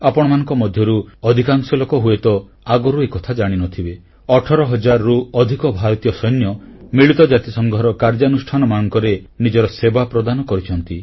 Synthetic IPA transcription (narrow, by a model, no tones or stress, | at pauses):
apɔɽ̃ɔmanɔ̃ŋkɔmɔd̪ʱjɔɾuɔd̪ʱikaŋsɔlokɔɦuet̪ɔ | aɡɔɾuekɔt̪ʰad͡ʒaɽ̃inɔt̪ʰibe | ɔʈʰɔɾɔɦɔd͡ʒaɾɔɾuɔd̪ʱikɔbʱaɾɔt̪ijɔsɔjnjɔmiɭit̪ɔd͡ʒat̪isɔŋɡɔɾɔkaɾd͡ʒanusʈʰanɔmanɔŋkɔɾenid͡ʒɔɾɔsebapɾɔd̪anɔkɔɾit͡ʃʰɔnt̪i